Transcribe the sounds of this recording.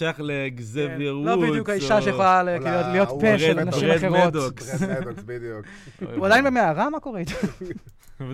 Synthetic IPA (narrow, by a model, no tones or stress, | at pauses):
ejaχleɡzeveʁlobid̪jukaiʃaʃebaljotlijo̞t̪ppeelanaʃimmaχeʁoetd̪oks | uadajinbemeaʁamako̞ʁeit̪a